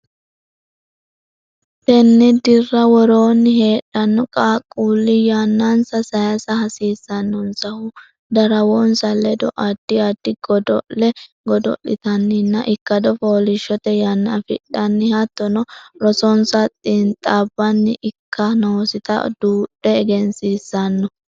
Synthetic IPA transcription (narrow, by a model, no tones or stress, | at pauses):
t̪ɛnːɪd̪ɪrːɐwɔɾo̞ːnːɪɦe̞ːɗːɐnːɔkʼaːkʼːuːlːɪjaːnːansɐsɐjɐsɐhɐsiːsːɐnːɔnsɐhʊ | d̪ɐɾɐwɔnsɐlɛd̪ɔ̰ʔɐd̪̥ːɪɐd̪ːɪɡɔd̪ɔlɛ | ɡɔd̪ɔ̰ʔːɪt̪ɐnːɪnːɐ̰ʔɪkːɐd̪ɔfoːlɪʃːɔt̪ɛjanːɐfɪ̰ɗɐnːɪhɐt̪ːɔnɔɾɔsɔnsɐt̪ʼɪnt̪ʼːabːɐnːɪʔɪkːɐnoːsɪt̪ɐ̰d̪̥uːᶑːɛːɡɛnsiːsːɐnːɔ